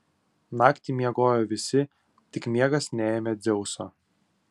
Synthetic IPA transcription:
nɑːkt̪ʲiˑmʲiɛɡoːjoːʋʲɪsʲɪ | t̪ʲɪkmʲiɛɡɐsnʲɛeːmʲɛd̪zʲɛʊso̰ː

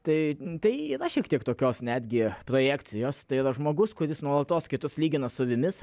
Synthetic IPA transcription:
t̪ɐɪt̪ɐɪiːɾɐʃʲiɛkt̪ʲiɛkt̪oːkʲoːsnʲæːd̪ʲɡʲɪpɾoːjæːkt̪sʲɪjoːst̪ɐɪiːɾɐʒmoːɡʊskʊɾʲɪsnuɔlˠɐt̪oːskʲɪt̪ʊslʲiːɡʲɪnosʊʋʲɪmʲɪs

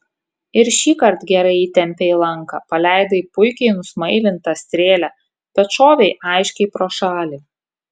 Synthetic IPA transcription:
ɪɾʃʲiːkɐɾt̪ɡʲɛɾɐɪiːt̪ʲɛmʲpʲeːlˠɐŋkɐ̰pɐlʲæˑɪd̪ɐipʊɪkʲɛɪnʊsmɐɪlʲɪnt̪ɐsʲt̪ʲɾʲeːlʲæ | pʲɛt̪ʃoːʋʲɛɪʔɑɪʃʲkʲɛɪpɾoːʃɑːlʲi

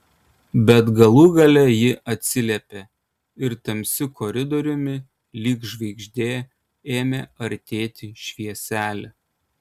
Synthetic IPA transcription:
bʲɛt̪ɡɐlˠuːɡɐlʲɛjɪʔɐt̪ʲsʲɪlʲɛpʲe | ɪɾt̪ɐmʲsʲɪkʰɔɾʲɪd̪ɔɾʲʊmʲɪ | lʲiːkʒʋʲɛɪɡʒʲd̪ʲeː | eːmʲeɐɾʲt̪ʲeːt̪ʲɪʃʲʋʲiɛsʲæːlʲɛ

